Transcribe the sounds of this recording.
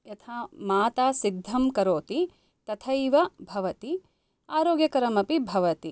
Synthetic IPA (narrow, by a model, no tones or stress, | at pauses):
jɐt̪ʰaːmaːt̪aːsid̪ʱːɐmkɐɾoːt̪i | t̪ɐt̪ʰɐjʋɐbʱɐʋɐt̪i | aːɾoːɡjɐkɐɾɐmɐpibʱɐʋɐt̪i